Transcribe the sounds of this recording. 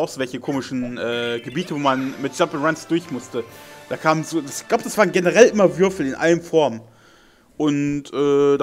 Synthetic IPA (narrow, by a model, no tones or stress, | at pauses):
ʔaʊxz̥ovɛlçəkʰoːmɪʃn̩ʔɛːɡ̥əbiːtʰəvoːmanmɪt̚ʒ̥apɪnʁansd̥ʊɐçmʊstəd̥aːkʰaːmənzoːd̥asɪ̥çɡ̥laʊbədasv̥aːʁnɡenəʁɛlʔɪmɐvʏɐfl̩ɪnʔa̰ləmfɔɐm | ʔʊntʔɛːda